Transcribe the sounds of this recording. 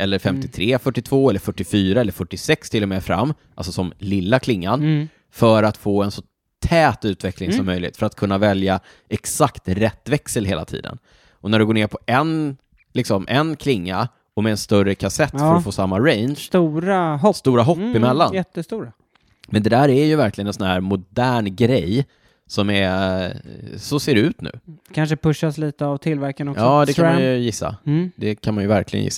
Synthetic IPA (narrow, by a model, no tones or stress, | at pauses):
ʔɛlːəɾfɛmt̪ɪt̪ʰɾeːfœʈːɪt̪ʰvoːɛlːəɾfœʈːɪfyːɾaɛlːəɾfœʈːɪsɛkst̪ʰɪlːɔmɛfɾa̰mː | ʔalsɔsɔmlɪlːakʰlɪŋːan | fœɾat̪foːɛnsɔ | t̪ʰɛːt̪ʉ̟ːt̪vɛklɪŋsɔmːœjlɪ̰ɡ̚t̪fœɾat̪̚kʰɵnːavɛlja | ɛksakt̪ɾɛt̪ːvɛksəlɦeːla̰t̪ʰḭːd̪ə̰n | ʔɔnæɖɵɡoːɳeːɾpʰɔʔɛn | lɪksɔmʔɛnkʰlɪŋːa | ɔmɛːnst̪œrəkʰasɛt̪ːɾfoːsamːaɾɛɪnʃt̪uːɾaɦɔst̪uːɾaɦɔpːɪmɛlːanjɛt̪ːəst̪uːɾa | mɛnd̪ɛd̪æːɾæɾjɵvæɾklɪɡənɛnsɔnɦæːɾmʊd̪æːɳɡɾɛj | sɔmɛ | sɔseːɾɛʉ̟ːt̪nʉ̟̰ːkʰanʂəpɵʂːasliːt̪əavt̪ʰɪlvæɾkanɔkʔɑɔːd̪ɛkʰanmajɵjɪsːa̰d̪ɛkʰanmanjɵvæɾkʰlɪɡə̰njɪ̰sː